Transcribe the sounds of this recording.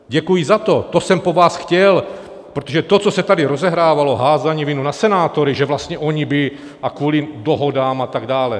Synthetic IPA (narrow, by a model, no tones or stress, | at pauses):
ɟɛkujizat̪ot̪osɛmpovaːsxcɛl | pɾot̪oʒɛt̪ot͡sosɛt̪adɪɾozɛɦɾaːvaloɦaːzaɲiːvɪnunasɛnaːt̪oɾɪʒɛvlast̪ɲɛʔoɲibɪ | akvuːlidoɦo̞daːmat̪aɡdaːlɛ